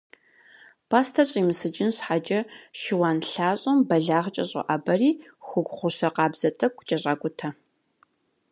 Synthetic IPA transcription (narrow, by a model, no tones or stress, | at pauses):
pʰaːstʰɐɕʼiːmɨsɨd͡ʒɪnɕħad͡ʒʼɐʃɪwaːnɬaːɕʼɐmbɐɮaːʁt͡ʃʼɐɕʼɐ̰ʔabɐriːxʷʊɡʷχʷʊɕɐqɑːbz̥ɐtʼɐkʷʰʼːʊt͡ʃʼɐɕʼaːkʷʼʊtʰɐ